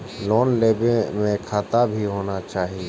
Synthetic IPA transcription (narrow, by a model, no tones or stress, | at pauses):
lɔːnleːbẽmẽkʰaːt̪abʱiɦoːnat͡ʃaːɦie